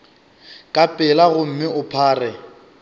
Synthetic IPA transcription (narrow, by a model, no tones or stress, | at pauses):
kʼapʼɪlaɣʊm̩mɪʔʊpʰaːrɛ